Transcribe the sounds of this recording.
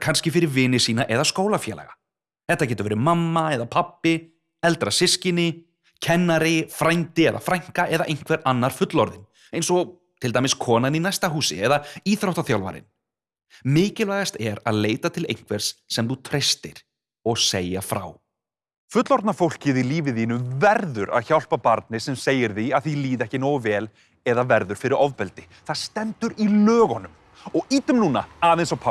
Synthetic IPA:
kʰanscɪfɪɾɪɾvɪːnɪsiːnaʔɛðaskoːwlafjɛːlɛ̰ɣa | θɛht̪acɛːt̪ʏvɛːɾɪmamːaɛðapʰapːɪ | ɛlt̪ɾasɪscɪnɪ | cʰɛnːaɾɪfɾajnt̪ɪɛða̰fɾajŋ̥kaʔɛðaʔejn̥kʰvɛɾanːaɾ̥fʏt̪lɔɾðɪn | ẽjnsɔ | t̪ʰɪlt̪ajmɪskʰɔːnaninajst̪aɦuːsɪ̰ɛðaiːθɾawht̪aθjawlva̰ɾɪ̰n | mɪːcɪlvaːjɣast̪ɛɾa̰ðleːjt̪at̪ʰɪlḛjnŋ̥kʰvɛɾ̥sːɛmθut̪ʰɾejst̪ɪɾ̥ | ɔɣseːjafɾa̰ːw | fʏt̪lɔɾt̪nafowl̥cɪðiliːvɪðiːnʏmvɛɾðʏɾa̰ðçawl̥papaɾt̪̚nɪsɛmseːjɪɾθiaðθiliːðɛhcɪnoːwvɛːl | ɛðavɛɾðʏɾ̥fɪɾɪɾɔvpɛlt̪ɪ | θaðst̪ɛnt̪ʏɾilœːɣɔnʏm | ɔɣiːt̪ʏmnuːna̰aːðensawpʰa

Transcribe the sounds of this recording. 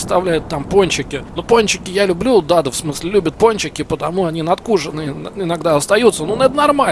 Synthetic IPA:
st̪ɐvlʲæjʊt̪ːamponʲt͡ɕɪkʲɪnoponʲt͡ɕɪkʲɪjalʲʊblʲud̪ad̪əfsmɨsʲlʲɪlʲʉbʲət̪̚ponʲt͡ɕɪkʲɪpət̪ɐmuɐnʲinɐt̪kuʐɨnɨnɪnɐɡd̪aɐst̪ɐjut̪sənunɐɛt̪ənɐrma

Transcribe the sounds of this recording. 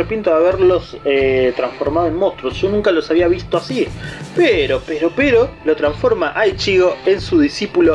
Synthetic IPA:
epint̪oaβeɾlo̞set̪ɾansfo̞ɾmaðoenmost̪ɾosʒonũŋkalo̞saβiaβist̪oasipeɾopeɾo̞peɾo̞lot̪ɾansfo̞ɾmaʔajt͡ʃiɣoensuðisipulo

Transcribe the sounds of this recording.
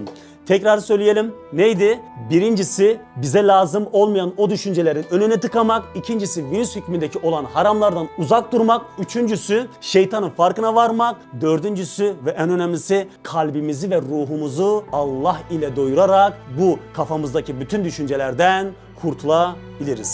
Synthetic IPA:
t̪ʰɛcɾaɾɯsø̞jlʲije̞lʲimnejd̪ibiɾind͡ʒisibizɛlʲaːzɯmo̞lˠmajano̞d̪yʃynd͡ʒelʲeɾinø̞nynɛt̪ʰɯkamakicʰind͡ʒisivinyshycmind̪ecʰio̞lˠanhaɾamlˠaɾd̪anuzak̚d̪uɾmakyt͡ʃʰynd͡ʒysyʃe̞jt̪ʰanɯfaɾkɯnavaɾmak̚ | d̪ø̞ɾd̪ynd͡ʒysyvɛʔænø̞nɛmlʲisikʰalʲbimizivɛɾuːɦumuzualˠːaɦilʲɛd̪o̞juɾaɾakbukʰafamɯzd̪acʰibyt̪ʰynd̪yʃynd͡ʒɛlʲæɾd̪æn | kʰuɾt̪ʰulˠa | bilʲiɾiz̥

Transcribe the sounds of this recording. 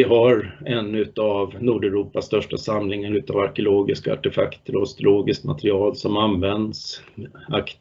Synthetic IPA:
ɪɦaɾɛnːʉ̟t̪avnuːɖɛɾuːpast̪œʂʈasamlɪŋənʉ̟ːt̪avaɾkɛʊloːɡɪskaa̰ʈɛfa̰kt̪ɾɔɔst̪ʊloːɡɪst̪ma̰t̪ɾɪɑːlsɔmanvɛnd̪sak

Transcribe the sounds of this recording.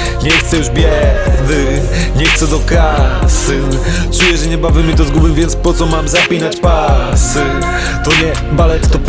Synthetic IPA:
ɲɛxt̪sɛjuʐbʲjɛd̪ɘ | ɲɛxt̪sɛd̪ɔkasɨ | t͡ʂujɛʐɛɲɛbavɛmʲit̪ɔzɡubɨmvʲjɛnt̪spɔt̪sɔmamzapʲinat͡ɕpasɨ | t̪ɔɲɛ | balɛt̪t̪ɔp

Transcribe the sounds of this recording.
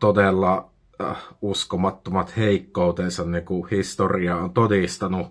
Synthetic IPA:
t̪odelːɑ | uskomɑt̪ːomɑt̪heˑikːout̪eːnsɑnnikuhist̪oriɑont̪odist̪ɑnu

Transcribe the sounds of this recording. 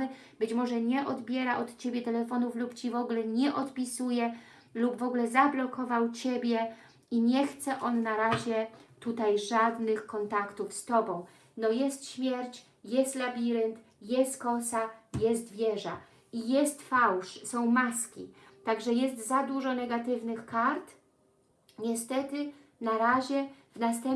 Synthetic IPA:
ɘ | b̥ɘt͡ɕmɔʐɛɲɛʔɔd̪bʲjɛɾaʔɔt̪t͡ɕebʲjɛt̪ɛlɛfɔnuflupt͡ɕivɔɡlɛɲɛʔɔt̪pʲisujɛ | lubvɔɡulɛzablɔkʰɔvawt͡ɕebʲjɛ | iɲɛxt̪sɛʔɔnːaɾaʑɛt̪ut̪ajʐad̪nɘxkɔnt̪akt̪ufst̪ɔbɔ̃w̃ | nɔjɛst̪ɕmʲjɛɾt͡ɕ | jɛst̪labʲiɾɛnt̪ | jɛst̪kɔsajɛst̪vʲjɛʐa̰ | ijɛst̪fawʂsɔ̃w̃maskʲḭt̪aɡʐɛjɛst̪zad̪uʐɔnɛɡat̪ɘvnɘxkaɾt̪ | ɲɛst̪ɛt̪ɘ | naɾaʑɛvnast̪ɛm

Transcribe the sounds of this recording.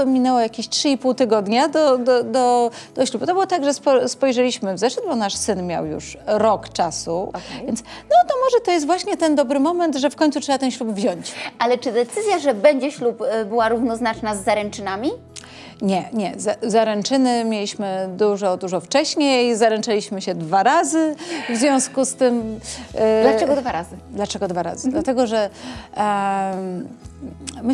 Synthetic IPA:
mʲinɛwɔjakʲeɕtʂɘipuwt̪ɘɡɔd̪ɲad̪ɔd̪ɔd̪ɔd̪̥ɔɕlupt̪ɔbɘwɔt̪aɡʐɛspɔspɔjʐɛlʲiɕmɘvzɛʂɘd̪̚bɔnaʂsɘnmʲja̰wjṵʂɾɔkt͡ʂasuvjɛnt̪snɔt̪ɔmɔʐɛt̪ɔjɛst̪vwaɕɲɛt̪ɛnd̪ɔbɾɘmɔmɛnt̪ʐɛfkɔɲt̪sutʂɛbat̪ɛnɕʲlubvʑɔɲt͡ɕʔalɛt͡ʂɘd̪ɛt̪sɘzʲjaʐɛbɛɲd͡ʑɛɕlupbɘwaɾuvnɔznat͡ʂnazːaɾɛnt͡ʂɘnamʲi | ɲɛɲɛzazaɾɛnt͡ʂɘnɘmʲjelʲiɕmɘd̪uʐɔd̪uʐɔft͡ʂɛɕɲejjzaɾɛnt͡ʂalʲiɕmɘɕɛd̪vaɾazɘvzvʲjɔ̃w̃skust̪ɘm | lat͡ʂɛɡɔd̪vaɾazɨd̪lat͡ʂɛɡɔd̪vaɾa̰zɨd̪lat̪ɛɡɔʐɛ | m

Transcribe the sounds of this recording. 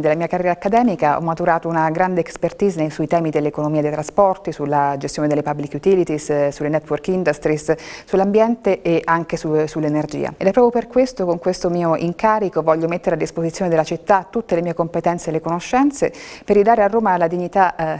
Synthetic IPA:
d̪elamiːakarjɛɾakːad̪ɛːmikaʔɔ̰mːat̪uɾaːt̪ounaɡɾand̪eekspert̪iːzanesuit̪ɛːmid̪elːekonomiːad̪ejt̪ɾaspɔrt̪isulːad͡ʒest̪joːned̪elːepabːlikːut̪ilit̪issulːenɛt̪ːworkind̪ust̪ɾissulːambjɛnt̪eʔeʔaŋkesusulːenerd͡ʒḭːa̰ed̪ɛpːɾɔːpjoperkwest̪okoŋkwest̪omiːoʔiŋkaːɾikovɔʎːomet̪ːeɾead̪ːispozit̪sːjoned̪elːat͡ʃit̪ːat̪ːut̪ːelemiːekompet̪ɛnt̪selːekonoʃːɛnt̪seperjid̪aːɾearːoːmalad̪iɲːit̪a

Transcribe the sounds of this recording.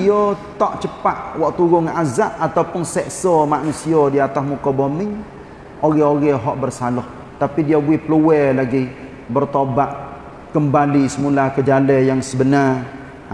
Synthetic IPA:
iɔt̪ɔʔt͡ʃəpaʔwɔʔt̪uɣʊŋazaʔat̪awpʊnsɛʔsɔmaʔnusiɔdiat̪asmukɔbomɪŋ | oɣɛoɣɛɦɔʔbərsalɔh | t̪apidiabuɪhpəluwɛlaɡi | bərt̪obaʔ̚ | kəmbalisəmulakəd͡ʒalɛjaŋsəbənar

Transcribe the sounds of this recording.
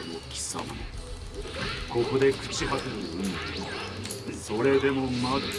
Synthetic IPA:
nokʲi̥sa̰ma̰no̰ | ko̞ko̞d̪e̞kɯ̟̥t͡ɕiɦat̪eɾoɯn | so̞ɾe̞d̪e̞mo̞ma

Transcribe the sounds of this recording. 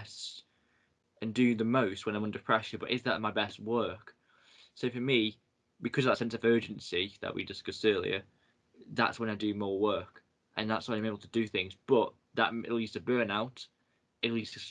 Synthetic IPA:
s | ʔɨ̃ndɨ̃ðəmoʊst̚wə̃nãɪmʌ̃ndəpʰɹ̥ɛʃbʌɾɪzðə̰ʔmaɪbɛst̚wɜ˞k | soʊfəmi | bɨkʰʌzəvðətsɛ̃nsəvɜ˞d͡ʒɨ̃nsiðə̰ʔwḭdɪsɡ̥ʌsɜːlˠḭə | ða̰tswə̃naɪdɨmɔɹwɜˑ˞k | ʔə̃nðatswãnaɪmeɪbl̩ˠtʰədɨθɪ̃ŋzb̥ʌʔ | ðə̰ʔɪ̰ʔtˡl̩ˠjdz̥tʰəbɜː˞naʊt | ɪtl̩ˠjdz̥tʰɨs

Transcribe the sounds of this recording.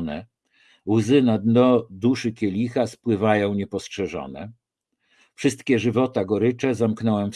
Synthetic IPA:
nɛ | wzɘnad̪nɔd̪uʂɘkʲɛlʲixaspwɘvajɔ̃w̃ɲɛpɔstʂɛʐɔ̰nɛ̰ | fʂɘst̪kʲɛʐɘvɔt̪aɡɔɾɘt͡ʂɛzamknɔwɛmf

